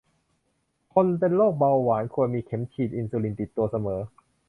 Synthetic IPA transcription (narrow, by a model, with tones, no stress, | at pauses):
kʰo˧npe˧nloː˥˩k̚ba˧wːaː˩˦nkʰu˧ənmiː˧kʰe˩˦mkʰiː˨˩t̪̚ʔi˧nsuː˧li˧nt̪i˨˩t̪ːu˧ɐsa˧mɤː˩˦